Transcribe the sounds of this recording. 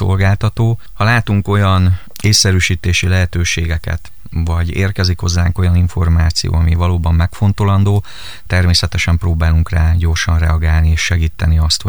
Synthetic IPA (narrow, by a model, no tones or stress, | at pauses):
o̞̰lɡaːlt̪ɒt̪oː | hɒlaːt̪uŋko̞jɒn | eːsːɛɾyːʃiːt̪eːʃilɛɦɛt̪øːʃeːɡɛkɛ̰t̪ | vɒɟeːrkɛzikho̞̰zːaːŋko̞jɒniɱfo̞rmaːt̪sḭjo̰ːɒmivɒloːbɒmːɛkfo̞nt̪o̞lɒnd̪oː | t̪ɛrmeːsɛt̪ɛʃɛmproːbaːluŋkraːɟo̞rʃɒnrɛɒɡaːlnieːʃːɛɡiːt̪ːɛniɒst̪ho